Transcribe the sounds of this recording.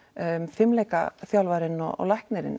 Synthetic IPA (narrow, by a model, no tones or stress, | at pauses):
fɪmlɛjka̰θjawlvaɾɪnːɔɔ̰lajhknɛɾɪ̰n